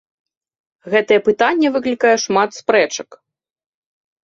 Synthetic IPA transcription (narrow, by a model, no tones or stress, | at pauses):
ɣɛt̪ɐjɛpɨt̪anʲːɛvɨklʲikajɛʂmat̪spɾɛt͡ʂɐ̥k